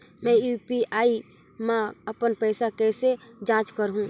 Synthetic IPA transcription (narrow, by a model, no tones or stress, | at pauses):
mɛ̃juːpiaːi | mãəpənpɛːsakɛːse | d͡ʒãːt͡ʃkəɾɦũː